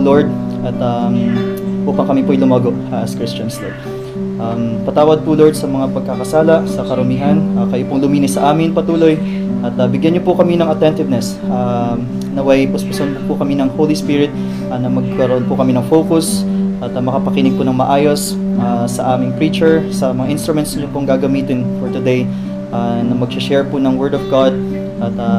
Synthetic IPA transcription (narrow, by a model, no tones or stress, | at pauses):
loɹd̪̚ʔɐt̪ɐmʔuːpɐŋkɐmipʊʔɐjlʊmaːɡoʔɐskɾɪst͡ʃɐnslod̪̚ | ʔɐmpɐt̪aːwɐd̪̚pʊloɹd̪̚sɐmɐŋapɐɡ̚kɐkɐsaːlɐʔsɐkɐɾʊmiːɦɐnɐkɐjopʊŋlʊmiːnɪsːɐʔaːmɪnpɐt̪uːlo̞j | ʔɐt̪ɐbɪɡjanɲopʊkɐminɐŋɐt̪ɛnt̪ɪvnɛs | ʔa | nɐwɐjpospɪsonpʊkɐminɐŋhowlispɪɹɪt̪̚ | ʔɐnɐmɐɡ̚kɐɾɐʔonpʊkɐminɐŋfowkʊsʔɐt̪ɐmɐkɐpɐkɪnɪɡ̚pʊnɐŋmɐʔaːjo̞s | ʔasɐ̰ʔaːmɪŋpɹiːt͡ʃɛɹsɐmɐŋaʔɪ̃nst̪ɾʊmɛnt̪sɲopoŋɡaːɡɐmiːt̪ɪnfɔɹt̪ʊd̪ej | ʔanɐmɐɡ̚sɪʃɛɹpʊnɐŋwɛɹd̪ɔvɡad̪̚ | ʔɐt̪ɐ